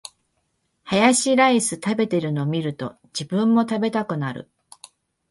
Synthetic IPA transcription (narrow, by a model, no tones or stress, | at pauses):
hajaɕiɾaisɨt̪abe̞t̪e̞ɾɯ̟no̞mʲiɾɯ̟t̪o̞̰ | d͡ʑibɯ̟̃mːo̞t̪abe̞t̪akɯ̟naɾɯ̰